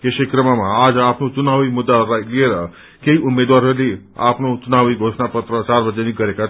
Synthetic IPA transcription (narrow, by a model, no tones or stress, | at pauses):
kesekɾəmamãad͡zapnot͡ʃunaʋimud̪ːaɾajlieɾʌ | keiʔumːed̪waɾɦəɾli | a̰pnot͡ʃunaʋiɡʱosnapʌt̪ɾət͡ʃaɾbʌd͡zeniɡʌɾeka